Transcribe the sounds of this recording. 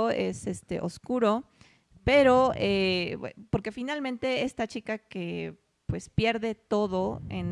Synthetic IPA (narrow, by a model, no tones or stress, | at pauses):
oe̞se̞st̪e̞̰ʔoskuɾo̞ | pe̞ɾo̞epo̞ɾke̞finalmẽnt̪e̞est̪at͡ʃikake̞ | pwe̞spje̞ɾðe̞t̪o̞ðo̞ḛn